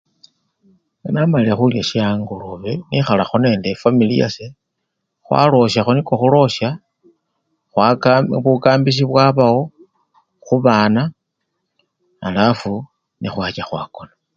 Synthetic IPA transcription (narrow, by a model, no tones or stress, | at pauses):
ŋanamalilaxuljaʃiaːŋɡuluβenixalaxone̞ːndefamilija̰se | xwa̰lo̞ʃaxoniko̞xulo̞ʃja | xwaβukaːmbis̬iβwaβawo | xuβaːna | lafu | nixwaːt͡ʃaxwa̰ːkona